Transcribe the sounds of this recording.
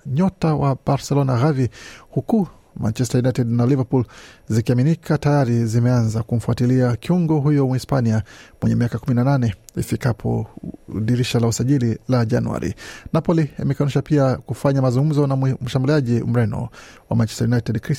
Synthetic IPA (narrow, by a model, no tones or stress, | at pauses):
ɲɔtawabaɾsɛlɔnaɣavihuku | mʔa̰nt͡ʃɛstajunajtɛdnalivapulzikiaminikʰatajaɾizimɛanzakum̩fuatiliakiuŋɡɔɦujɔmuispaniamwɛɲɛmiakakuminananɛḭfikapʰɔ̰ɗiɾiʃalausaʄililaʄa̰nuwa̰ɾḭnapɔliḭmɛkanuʃapiakufaɲamazuŋɡum̩zɔnam̩ʃambuliaʄim̩ɾɛnɔ̰wa̰mant͡ʃɛ̥stajunajtɛdkɾi